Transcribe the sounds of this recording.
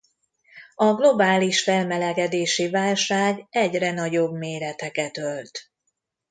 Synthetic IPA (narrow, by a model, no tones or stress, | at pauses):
ɒɡlo̞baːliʃfɛlmɛlɛɡɛd̪eːʃivaːlʃaːɡɛɟrɛnɒɟo̞bmeːɾɛt̪ɛkɛt̪ølt̪